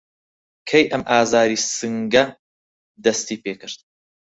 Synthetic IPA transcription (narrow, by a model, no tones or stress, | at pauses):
kʰɐjʔɐmʔaːzaːɾiːsɨŋɡɐ | d̪ɐst̪iːpeːkɨɾt̪̚